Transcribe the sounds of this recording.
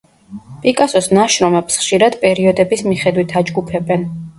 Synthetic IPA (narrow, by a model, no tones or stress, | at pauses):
pʼikʼasɔsnaʃɾɔmɛbsχʃiɾad̪pʼɛɾiɔd̪ɛbismiχɛd̪wit̪ʰad͡ʒɡupʰɛbɛn